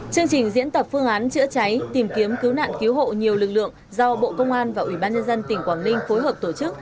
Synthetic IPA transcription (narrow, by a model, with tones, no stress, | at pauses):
t͡ɕɨ˧əŋt͡ɕï˨˩ŋ̟zḭ˧˥ənt̪ə˨˩p̚fɨ˧əŋʔaː˨˦nt͡ɕɨ̰˧˥ət͡ɕa˨˦jt̪i˨˩mki˨˦əmkɨ˨˦wna̰ː˧˨nki˨˦wɦo̰˧˨ɲi˨˩əwlɨ˨˩k̚lɨ̰˧˨əŋzɔ˧ɓo̰˧˨kə˧wŋ͡mʔaː˧nvaː˨˩ʔwi˧˩ɓaː˧nɲə˧nzə˧nt̪ï˨˩ŋ̟kwaː˧˩nmï˧ŋ̟fo˨˦jɦəː˨˩p̚t̪o˧˩t͡ɕɨ˦˥k̚